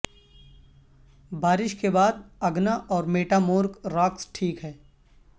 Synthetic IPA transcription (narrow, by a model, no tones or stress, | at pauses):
baːɾɪʃkebaːd̪̚ɐɡnaʔɔːɾmeːʈaːmoːɾkɾaːksʈʰiːkɦɛː